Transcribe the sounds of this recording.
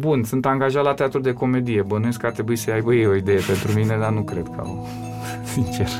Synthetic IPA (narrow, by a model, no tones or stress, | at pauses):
bunsunt̪aŋɡaʒat̪lat̪eat̪ɾud̪e̞ko̞me̞d̪ije̞bənɨnskart̪ɾe̞buisəjajbəjejo̞id̪e̞je̞pe̞nt̪ɾumine̞d̪anukɾe̞d̪kʰəa̰o̰ | sint͡ʃe̞r